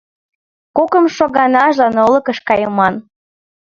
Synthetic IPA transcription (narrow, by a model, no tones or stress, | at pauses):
kokəmʃoɣɑnɑʒlɑnolɤ̆kə̆ʃkɑjəmɑn